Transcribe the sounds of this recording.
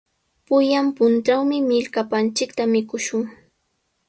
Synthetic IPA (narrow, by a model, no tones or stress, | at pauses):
pʊjampʊntawmɪmɪʎkapant͡ʃɪkt̪amɪkʊʃʊŋ